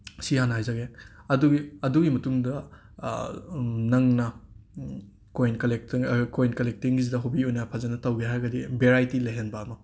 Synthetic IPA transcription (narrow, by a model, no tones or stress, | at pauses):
sihanɐɦajzaɡeɐduɡiɐduɡimɐtuŋdɐ | nɐŋnɐ | kojnklek̚kojnkɐlek̚tiŋɡizidɐɦobiojnɐpʰazanɐtɐwɡeɦaɾɡɐdibeɾajtileɦenbɐːmɐ